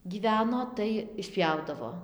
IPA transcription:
ɡʲiːˈʋʲæːnoː tɐɪ ɪʃʲˈpʲjɛʊdɐʋoː

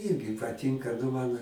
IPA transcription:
ˈiːrʲɡʲɪ pɐˈtʲɪŋkɐ ˈnʊ mɐn

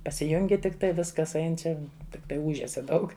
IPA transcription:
pɐsʲɪˈjʊŋʲɡʲɪ tʲɪkˈtɐɪ ˈʋʲɪskɐs ˈɐɪn ˈt͡ʃʲɛ tʲɪkˈtɐɪ ˈuːʒʲɛsʲɛ ˈdɐʊk

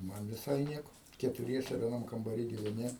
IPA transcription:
ˈmɐn ʋʲɪˈsɐɪ ˈnʲiɛkoː kʲɛtʊˈrʲiɛsʲɛ ʋʲiɛˈnɐm kɐmbɐˈrʲiː ɡʲɪʋʲɛˈnʲɪ

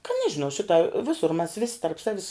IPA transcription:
kɐ ˈnʲæːʒʲɪnɐʊ ˈʃʲɪtɐ ˈʋʲɪsʊr mʲæs ˈʋʲɪsʲɪ tɐrp ˈsɑːʋʲɪs

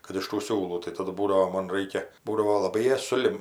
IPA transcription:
kɐt ɪʃ tuː ˈsʲuːlˠuː tɐɪ tɐˈdʊ ˈbuːdɐʋoː ˈmoːn ˈrɐɪkʲɛ ˈbuːdɐʋoː lˠɐˈbɐɪ ˈjɛs sʊˈlʲɪm

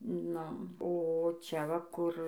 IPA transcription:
ˈnʊ oː ˈt͡ʃʲɛ ˈʋɐ ˈkʊr

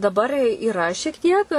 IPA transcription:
dɐˈbɐr iːˈrɐ ʃʲiɛk ˈtʲiɛk

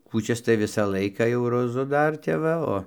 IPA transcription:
kuːˈt͡ʃʲɛs tɐɪ ˈʋʲɪsɑː ˈlˠɐɪkɑː jɛʊ roːˈzʊ ˈdɐr ˈtʲɛp ʋɐ ˈoː

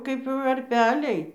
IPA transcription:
ˈkɐɪp ʋɐrʲˈpʲæːlʲɛɪ

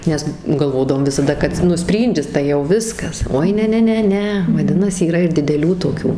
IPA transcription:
nʲɛs ɡɐlˠˈʋoːdɐʋoːm ʋʲɪsɐˈdɐ kɐt ɪr ˈnʊ ˈsʲpʲrʲiːnʲdʲɪs tɐɪ jɛʊ ˈʋʲɪskɐs ˈoːɪ ˈnʲɛ ˈnʲɛ ˈnʲɛ ʋɐˈdʲɪnɐsʲɪ iːˈrɐ ɪr dʲɪdʲɛˈlʲuː toːˈkʲuː

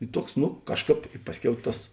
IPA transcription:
ɪ ˈtuɔks nʊ ˈkɑːʃˌkɑːp ˈpɑːsʲˌkʲɛʊ ˈtɐs

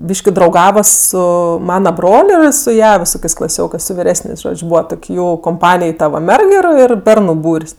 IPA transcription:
ˈbʲiːʃʲkʲɪ drɐʊˈɡɑːʋɐ ˈsʊ ˈmɑːnɐ ˈbroːlʲ ˈɪr sʊ ˈjɛ ʋʲɪˈsoːkʲeːsʲ klˠɐˈsʲoːkɜs sʊ ʋʲɪˈrʲæːsʲnʲeːsʲ ˈʒoːt͡ʃʲ ˈbuːʋɐ ˈtoːkʲ ˈjuː koːmˈpɑːnʲɪj ˈtɐ ʋɐ ˈmʲɛrk ɪr ˈɪr ˈbʲɛrnʊ ˈbuːrʲsʲ

